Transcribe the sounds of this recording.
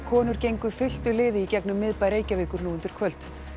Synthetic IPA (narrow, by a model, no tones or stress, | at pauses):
kʰɔːnʏɾ̥cejŋkʏðfɪl̥t̪ʏlɪːðɪicɛknʏmːɪðpaːjɾeːjcavɪːkʏɾnuːʏnt̪ʏɾ̥kʰvœlt̪